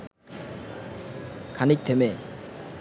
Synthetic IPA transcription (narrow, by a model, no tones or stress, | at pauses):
kʰanik̚t̪ʰeme